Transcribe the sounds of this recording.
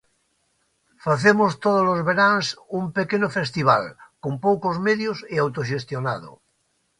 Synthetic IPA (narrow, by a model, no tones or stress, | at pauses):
faθemost̪oð̞olozβeɾansumpekenofest̪iβ̞a̰lkompowkozmeðjoseawt̪oʃ̬est̪jona̰ðo̰